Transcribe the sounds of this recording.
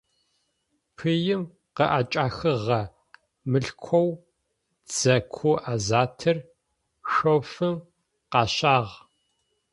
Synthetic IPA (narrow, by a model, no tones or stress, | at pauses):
pʰɨjɪm | qəʔaːt͡ʃʼaːxɨʁɐ | mɨɬkʷʰɔw | d͡z̥ɐkʷʰʊʔaːzaːtʰɨr | ʃofɨm | qɑːɕaːʁ